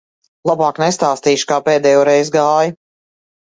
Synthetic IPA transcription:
lˠabaːknɛst̪aːst̪iːʃu̥kaːpɛːd̪ɛːjɔːɾɛjzɡaːju

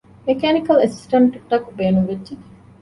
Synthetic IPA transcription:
mekæːnikɐlesi̥sʈɐɳʈɖɐkubeːnuŋʋedd͡ʒe

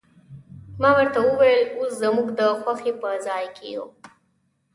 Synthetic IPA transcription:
mɑwəɾt̪awəwajəloszamuɡd̪əxwaxepəzɑjkʰḛjo̰

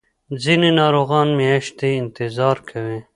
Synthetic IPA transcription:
zininɑːɾoːɣɑːnmeɐʃt̪eɪnt̪ɪzɑːɾkʰɐwe

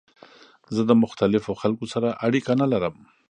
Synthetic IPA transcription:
zəd̪əmʊxt̪alɪfoxalkosaɾaʔaɽikanalaɾəm

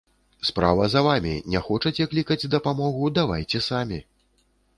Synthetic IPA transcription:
spɾa̰vɐzɐvamʲḭnʲɛxɔt͡ʂɐt͡sʲɛklʲikɐd͡zʲd̪ɐpamɔɣud̪avajt͡sʲɛsamʲi

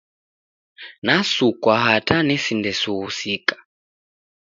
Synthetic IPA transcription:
nasukwaɦatʰanɛsindɛsuhusikḁ

